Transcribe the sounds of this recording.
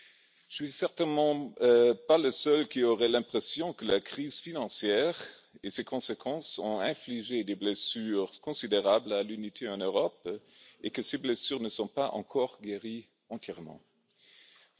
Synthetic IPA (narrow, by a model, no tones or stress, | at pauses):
z̥əsɥisɛʁt̪ɛnmɑ̃paləsœlkioʁɛlɛ̃pχɛsjɔ̃kəlakχiːzfinɑ̃sjɛːʁ | esekʰɔ̃sekʰɑ̃sɔ̰̃ɛ̃fliʒed̪eblɛsyːʁkɔ̃sid̪eʁablalynit̪ʰeɑ̃nøʁɔp̚ekəseblɛsyːʁnəsɔ̃paʔɑ̰̃kʰɔʁɡeʁi | ɑ̃t̪ʰjɛʁmɑ̰̃